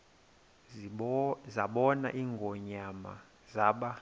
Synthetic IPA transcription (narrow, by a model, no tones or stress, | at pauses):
zaɓɔna̰ʔiːŋɡʱɔɲama̰ | zaːɓa